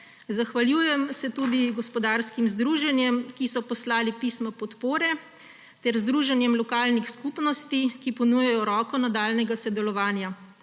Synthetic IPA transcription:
zaxʋaljuːjɛmsɛt̪uːd̪iɡɔspɔd̪aɾskimzd̪ɾuːʒɛnjɛmkisɔpɔslaːlipismɔpɔt̪poːɾɛ | t̪ɛɾzd̪ɾuːʒɛnjɛmlɔkaːlnixskupnɔst̪ikipɔnuːjɛjɔɾɔːkɔnad̪aːlnɛɡasɛd̪ɛlɔʋaːnja

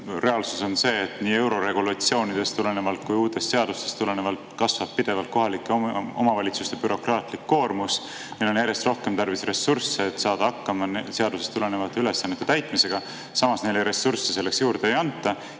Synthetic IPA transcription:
re̞ɑlsuso̞nse̞ːt̪ːˑniːe̞wɾo̞ɾe̞ɡ̥ulɑt̪sio̞ːnid̪̥e̞st̪ule̞ne̞vɑlt̪̚kujuːt̪ːˑe̞st̪se̞ɑd̪ust̪e̞st̪ule̞ne̞vɑlt̪kɑsvɑppid̪̥e̞vɑlt̪̚ko̞ɦɑlikːˑeo̞̰mɑvɑlʲit̪sust̪eb̥yɾo̞krɑːt̪likːo̞ːrmus | nelo̞njæɾje̞st̪ro̞hke̞mt̪ɑrvisre̞sːursːeːt̪ːsɑːd̪̥ɑɑkːɑmɑnseɑd̪use̞st̪ule̞ne̞vɑt̪ˑːɑyle̞sːɑnːet̪ːe̞t̪æjt̪ˑmise̞ɡ̥ɑ | sɑmɑsne̞jlejɾe̞sːursːese̞lːe̞ksjuːɾd̪̥eejɑnt̪ːˑɑ

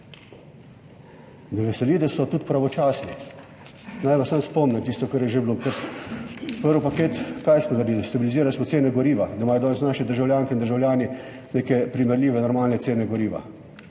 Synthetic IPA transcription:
nɛʋɛsɛlid̪asɔt̪uːt̪pɾaʋɔt͡ʃaːsni | najʋasamspɔmnʲamt̪ist̪ɔkaɾjɛʒeblopəɾs | pəɾʋɔpakeːt̪kaːjsmɔd̪ɐɾd̪iːlist̪abiliziːɾalsmɔt̪seːnɛɡɔɾiːʋad̪aimaːjɔd̪ɔːnɛsnaːʃɛd̪əɾʒawlʲjaːŋkɛind̪əɾʒawlʲjaːni | neːkɛpɾimɛɾlʲiːʋɛnɔɾmaːlnɛt̪seːnɛɡɔɾiːʋa̰

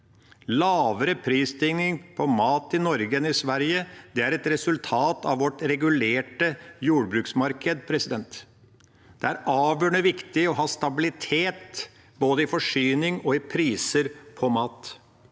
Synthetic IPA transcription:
lɑːʋəɾəpʰɾiːst̪ʰɪŋnɪŋpʰɔmɑːt̪ɪnɔɾɡənɪsʋæɾjəd̪ɛæɾɛt̪ɾɛsʉlt̪ʰɑːt̪ɑ̰ʋʋɔʈɾɛɡʉleːʈəjuːɽbɾʉːksmɑɾkəd̪pʰɾɛsɪd̪ɛnt̪ | d̪̥ɛæɾɑːʋjøːɳəʋɪkt̪ɪɔɦɑːst̪ɑbɪlɪt̪ʰeːt̪ | boːd̪əɪfɔʂyːnɪŋɔɪpʰɾiːsəɾpʰɔmɑːt̪

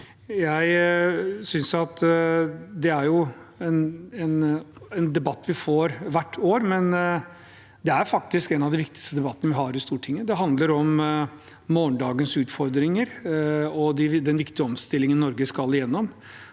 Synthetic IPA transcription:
jæɪ | sʏnsɑt̪ | d̪ɛæɾjʊɛnɛnɛnd̪ɛbɑt̪ːʋɪfoːɾʋæʈʰːoːɾmɛn | d̪ɛæɾfɑk̚t̪ɪskɛnɑʋd̪ɛʋɪk̚t̪ɪ̥kst̪əd̪ɛbɑt̪ːənəʋɪɦɑːɾɪst̪uːʈʰɪŋːəd̪ɛɦɑnd̪ləɾɔmː | oːɳɖ̪ɑːɡənsʉːt̪fɔɾd̪ɾɪŋəɾɔd̪ɪd̪ɛnʋɪkt̪ɪəɔmst̪ɪlːɪŋənːɔɾɡəskɑlːɪjɛnːɔm

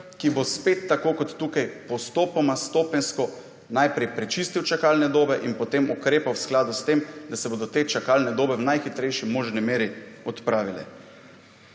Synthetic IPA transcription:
kibospet̪ːakoːkɔt̪ːuːkajpɔst̪oːpɔmast̪oːpɛnskɔ | najpɾɛjpɾɛt͡ʃist̪iwt͡ʃakaːlnɛd̪oːbɛʔinpɔt̪emukɾeːpawsklaːd̪ust̪emd̪asɛboːd̪ɔt̪eːt͡ʃakaːlnɛd̪oːbɛwnajxit̪ɾɛjʃimoːʒnimeːɾiɔt̪pɾaːʋilɛ̰

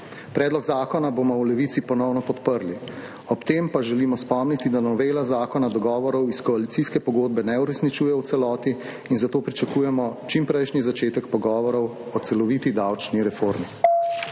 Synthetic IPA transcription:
pɾɛːd̪lɔɡzaːkɔnabomɔwlɛʋit̪sipɔnɔwnɔpɔt̪pəɾli | ɔpt̪empaʒɛlimɔspɔmnit̪id̪anɔʋeːlazaːkɔnad̪ɔɡɔːʋɔɾɔwiskɔalit̪siskɛpɔɡoːd̪̚bɛnɛuɾɛsnit͡ʃuːjɛwt̪sɛlɔːt̪iː | nzat̪oːpɾit͡ʃakuːjɛmɔt͡ʃimpɾɛjʃnizat͡ʃeːt̪ɛkpɔɡɔːʋɔɾɔwɔt̪sɛlɔʋit̪id̪awt͡ʃniɾɛfoɾmi

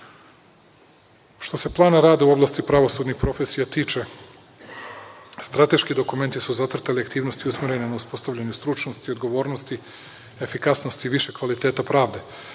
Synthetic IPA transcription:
ʃt̪o̞se̞plˠaːnaɾaːd̪euo̞blˠast̪ipɾaʋo̞sud̪nixpɾo̞fesijat̪iːt͡ʃe̞ | st̪ɾat̪e̞ʃkid̪o̞kume̞nt̪isuzat̪sr̩t̪aliakt̪iːʋno̞st̪iusmeɾe̞nenauspo̞st̪aʋʎaɲust̪ɾut͡ʃnost̪iːod̪ɡo̞ʋo̞ːɾnost̪i | efikasno̞st̪iːʋiʃe̞kʋalit̪eːt̪apɾaːʋd̪e̞

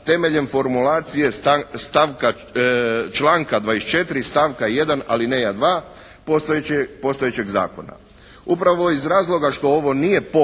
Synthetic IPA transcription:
t̪e̞me̞ʎe̞mfo̞ɾmulaːt̪sije̞st̪aʋka | t͡ʃlˠaːŋkad̪ʋaːest͡ʃe̞t̪iɾist̪aʋkaje̞d̪ana̰linejad̪ʋaː | post̪opo̞st̪ojet͡ɕe̞ɡza̰ːko̞̰na̰ | upɾaʋo̞izɾaːzlˠo̞ɡaʃt̪o̞oʋo̞nije̞po

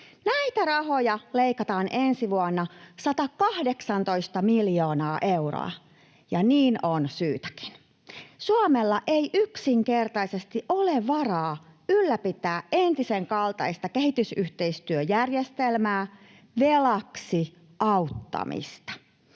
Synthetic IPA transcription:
næit̪ærɑhojɑleikɑt̪ɑːnʔensiʋuɑnːɑsɑt̪ɑkɑhdeksɑnt̪o̞ist̪ɑmiljoːnɑːʔeuro̰ɑ̰ | jɑniːnonsyːt̪æ̥ki̥n | suɑmelːɑʔeiʔyksiŋke̞rt̪ɑisest̪iʔoleʋʋɑrɑːylːæpit̪æːʔent̪iseŋkɑlt̪ɑist̪ɑkehit̪ysyht̪e̞ist̪yøjærjest̪elmæː | ʋelɑksi | ʔɑwt̪ːɑ̰mḭst̪ɑ̥

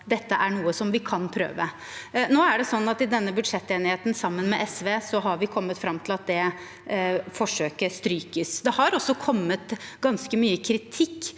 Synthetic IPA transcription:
d̪ɛt̪ːəʔæɳuːəsɔmʋɪkʰɑnpʰɾø̰ːʋə | noːæɖɛsɔnːɑt̪ɪd̪ɛnːəbʉd̪ʂɛt̪ːeːnɪheːt̪n̩sɑmːənmɛʔɛsʋeːsɔɦɑɾʋɪkʰɔmːət̪fɾɑmːt̪ʰɪlɑt̪̚d̪ɛ | fɔʂøːkəɾst̪ɾyːkəsd̪ɛhɑɾɔsːɔkʰɔmːət̪ɡɑnskəmyːəkʰɾɪt̪ʰɪkː

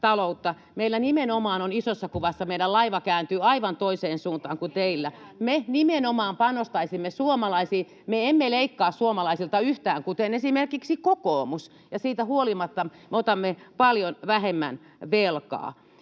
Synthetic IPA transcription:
t̪ɑlout̪ːɑ | meilːænimenomɑːnonisosːɑkuʋɑsːɑmeilælɑiʋɑkæːnt̪yːɑiʋɑnt̪oiseːnsuːnt̪ɑːŋkut̪eilːæmenimenomɑːmpɑnost̪ɑisimːesuomɑlɑisiː | meemːeleikːɑːssuomɑlɑisilt̪ɑyht̪æːŋkut̪enesimerkiksikokoːmus | jɑsiːt̪æhuolimɑt̪ːɑmeot̪ɑmːepɑljonʋæhemːæ̰n | ʋelkɑ̰ː

